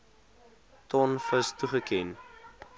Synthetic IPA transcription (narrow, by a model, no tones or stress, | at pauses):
tɔnfəstuχəkɛn